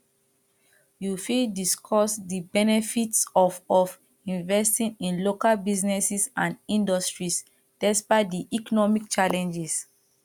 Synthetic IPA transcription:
jufildiskʰɔsdibɛnɛfitsɔfɔf | ĩnvɛstĩnĩnlokalbiznɛsisãndĩndɔstɹis | d̥ɛspaɪdiʔikɔnɔmik̚t͡ʃalɛ̃nd͡ʒɛs

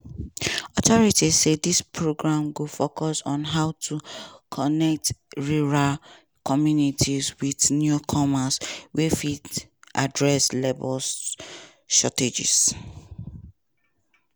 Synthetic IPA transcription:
ɔtɔɹitizsedispʰɹoɡɹãmɡofokɔsɔ̃nɦaʊtʰukʰɔnɛk̚tɹuɹal | kʰɔmjunitʰizwidnjukʰɔmaswefitʔadɹɛslebɔl | ʃɔted͡ʒḭs

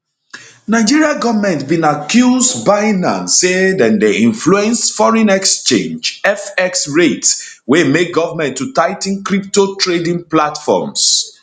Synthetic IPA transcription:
naɪd͡ʒiɹiaɡɔvamɛ̃ntbĩnakjuzdbaɪnã̰nsedɛ̃ndeĩnfluɛ̃nsfɔɹɛ̃nɛkst͡ʃḛ̃nd͡ʒɛfɛksɹetswemek̚ɡɔvamɛ̃ntːutaɪtĩŋkɹiptotʰɹedĩŋplatfɔ̰ms

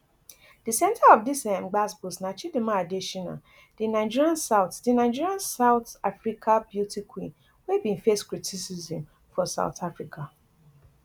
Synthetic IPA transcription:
disɛ̃ntʰaɔfdisɛ̃mɡ͡basbusnat͡ʃidimaadeʃina̰ | d̥inaɪd͡ʒiɹiãnsaʊθdinaɪd͡ʒiɹiãnsaʊtafɹikʰabjutʰikʰwḭ̃n | webĩnfeskɹitʰisizĩm | fɔsa̰ʊtʰafɹikʰa

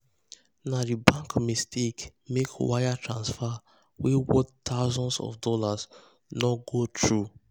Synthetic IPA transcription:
nadibãŋkmestʰekmekwajatʰɹãnsfa | wewɔttʰaʊzɔ̃nsɔ̰fdɔlas | nɔɡotʰɹu

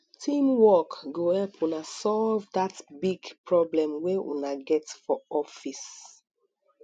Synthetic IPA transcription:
tʰĩmwɔkɡohɛlpʰunasɔlvdatbiɡpɹɔblɛ̃mweʔṵnaɡɛtfɔɔfis

